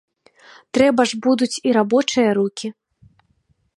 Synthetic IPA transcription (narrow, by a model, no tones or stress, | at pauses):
t̪ɾɛbɐʐbud̪ut͡sʲiɾabɔt͡ʂɨjɐɾukʲi